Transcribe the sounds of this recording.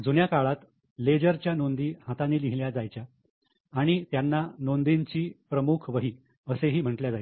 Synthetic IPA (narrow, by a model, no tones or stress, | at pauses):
d͡zunjakaɭat̪ | led͡ʑəɾt͡ɕjanond̪iːhat̪aniːliɦiljad͡zajt͡ɕjaː | ɽ̃it̪janːanond̪iɲt͡ɕiːpɾəmukʰʋəɦiː | əseɦiːm̤əɳʈljad͡zaj